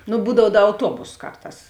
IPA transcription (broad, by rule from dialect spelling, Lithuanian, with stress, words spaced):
nʊ ˈbuːdɐw ˈdɐ ɐʊˈtuɔboːs ˈkɐrˌtɑːs